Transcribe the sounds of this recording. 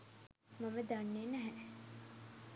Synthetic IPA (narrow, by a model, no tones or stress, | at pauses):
maməd̪anːeːnæɦɛ